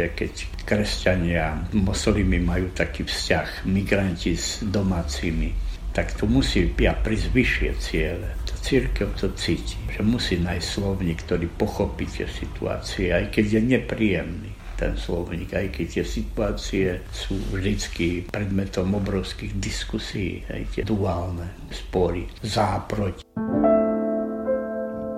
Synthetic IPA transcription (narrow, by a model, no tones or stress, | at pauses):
ɛkɛc | kɾɛscaɲɪamɔslimimajuːt̪akifscaxmiɡɾanciz̥d̪ɔmaːt͡siːmit̪akt̪ɔmusipapɾizʋiʃɪɛ̰t͡sɪɛlɛt̪ɔ̥t͡siɾkɛʊt̪ɔt͡siːciʒɛmusiːnajsslɔʊɲiːkt̪ɔɾiːpɔxɔpit̪ɪɛ̰sit̪ṵa̰ːt͡siɛajkɛɟjɛɲɛpɾijɛmniː | t̪ɛ̰nslɔʊɲiːɡajkɛct̪ɪɛsit̪uaːt͡siɛ | suːvʒd̪it͡skipɾɛd̪mɛt̪ɔmɔbɾɔʊskiɣd̪iskusijḭːhɛ̰jt̪ɪɛd̪uaːlnɛ | spɔɾizaːpɾɔc